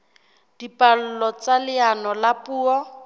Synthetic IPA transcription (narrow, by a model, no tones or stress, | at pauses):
d̥ipʼal̩lɔt͡salɪanɔlapuːɔ